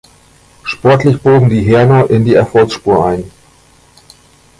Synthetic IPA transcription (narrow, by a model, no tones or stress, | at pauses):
ʃpɔɐtlɪçb̥oːɡŋ̩diːɦɛɐnɐʔɪndiːɛɐfɔlksʃpuːɐʔa̰ɪn